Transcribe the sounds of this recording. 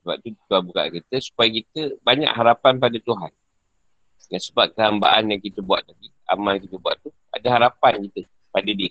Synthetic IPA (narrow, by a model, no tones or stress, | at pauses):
səba̰p̚t̪ut̪uɦanbuka̰ʔkit̪əsu̥pajakit̪əbaɲa̰ʔɦaɾapanp̬adat̪uɦan | jansəbap̚kəɦamba̰ʔanjaŋkit̪əbuaʔ̪̚laɡi | a̰malkit̪əbua̰ʔt̪u | a̰daɦaɾapankit̪ə | padadiə